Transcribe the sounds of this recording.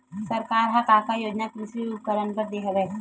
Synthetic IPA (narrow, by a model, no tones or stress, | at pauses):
sɐɾkaːɾɦãkaːkajoːd͡ʒnakɾisɾiup̚kəɾənpəɾd̪eɦɐɡɛ